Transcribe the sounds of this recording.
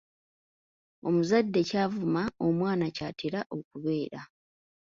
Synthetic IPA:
o̞muzadːe̞caːvumao̞mwaːnacaːtiɾaʔo̞kuβe̞ːɾa

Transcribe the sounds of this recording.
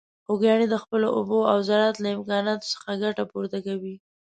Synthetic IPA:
xoɡjɑned̪əxpəloʔʊ̰boawzaɾat̪laɪmkɑnɑt̪o̥sə̥xaɡaʈapoɾt̪akawi

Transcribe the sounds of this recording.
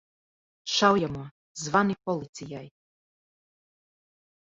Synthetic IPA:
ʃawjamo | zʋanipolit̪sijaj

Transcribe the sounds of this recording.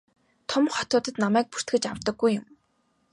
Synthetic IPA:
t̪ʰʊmχɔ̥t̪ʊːt̪ə̆t̪namæːk̚pur̥t̪ɡɘ̆t͡ɕaw̥t̪ə̆ɡːujːʊm

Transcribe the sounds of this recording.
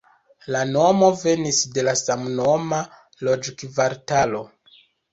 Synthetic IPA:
lano̞mo̞ve̞nisde̞lasamno̞ma | lo̞d͡ʒkvaɾtalo̞

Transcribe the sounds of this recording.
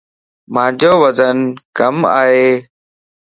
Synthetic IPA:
mãːd͡ʑoːʋəzənkəmaːɦeː

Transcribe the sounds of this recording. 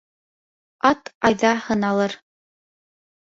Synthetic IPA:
ɑt̪ɑjðɑhɤ̆nɑlˠɤɾ

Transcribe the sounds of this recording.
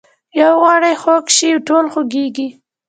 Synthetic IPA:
jawɣɑɽajxokʃiwʈolxoɡeɡi

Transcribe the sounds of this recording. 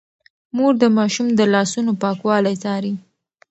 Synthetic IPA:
moɾd̪əmɑʃumd̪əlɑsunopɑkwɑlajt͡sɑɾi

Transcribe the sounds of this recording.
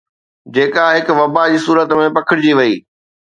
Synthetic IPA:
d͡ʑeːkaɦɪkʊ̆ʋɐbad͡ʑiːsuːɾət̪mẽpɐkʰɪɽɪd͡ʑiʋɐiː

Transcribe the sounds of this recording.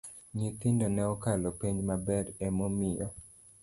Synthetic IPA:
ɲit̪indonɛɔkalɔpiɲmabɛɾɛmɔmɪjɔ̰

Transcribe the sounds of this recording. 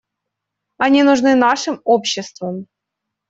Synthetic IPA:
anʲinuʐnɨnɑʂɨmopɕːɪst̪vəm

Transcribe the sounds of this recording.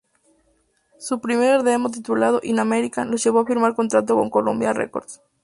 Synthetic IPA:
supɾimeɾeɾðemot̪̬it̪ulað̞o̞ʔinameɾikanlozʝe̞β̞oafiɾmaɾko̞nt̪ɾat̪oko̞̰ŋko̞lõ̰mbjarḛko̞̰ɾðs

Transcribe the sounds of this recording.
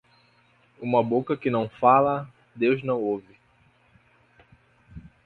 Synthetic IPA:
ũmɐbokɐkɪnɐ̃w̃falɐ | d̪ewznɐ̃w̃ovɪ

